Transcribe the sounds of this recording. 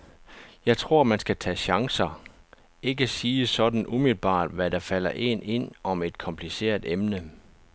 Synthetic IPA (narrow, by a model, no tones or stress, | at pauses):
jɑ̈ɪt͡sʰʁo̝ɐ̰mænsɡ̥æt͡sʰɛ̰ːɕɑ̈ŋsɐ | e̝ɡ̥əsiːsɒ̽d̥n̩ʔumilb̥ɑ̰̈ːd̥ʋæɾɑ̈fæl̰ɐʔe̝ne̝n̰ɒ̽me̝d̥kʰɒ̽mpʰlise̝̰ːɐ̰d̥emnə